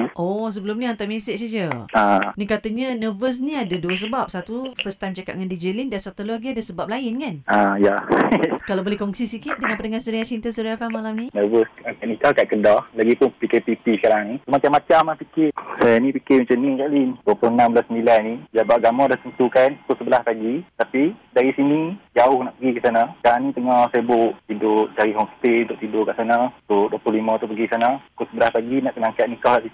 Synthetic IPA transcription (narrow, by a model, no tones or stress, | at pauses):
ʔɔs̬əbəlumniant̪ɔʔmesɪʔsad͡ʒəanĩkat̪əɲənəvəs̬nĩadəduəs̬əbap̚sat̪ufəst̪ant͡ʃaka̰t̪̚ŋandid͡ʒelindansat̪əloaɡiadəsəbap̚lajɪnkanʔaja | kalabolɛhkɔŋsisikɪt̪̚dəŋanpətəŋahsəɾiat͡ʃint̪əsəɾiafamalamnĩnəvəsakaʔnikakaʔ̚kədɔhlaɡipʊnpikepipisə̥kaɾaŋnĩsumat͡ʃamat͡ʃamahpikɪsajanipikɪmat͡ʃamnikaʔlinduəplʊhənamblasəmbilannid͡ʒabaʔ̚ɡamɔdaht̪ənt̪ukankʊsəbəlahpaɡit̪apidaɾisinid͡ʒaʊhnaʔpəɡikəʔsanaskaɾaŋnĩt̪əŋɔsajabʊʔt̪idʊʔt͡ʃaɾiɦɔmst̪eunt̪ʊʔt̪idʊkaʔsanasoduəplʊhlimãt̪upəɡiksanakʊsəbəlahpaɡinaʔkənaakaʔ̪̚nikahkaʔi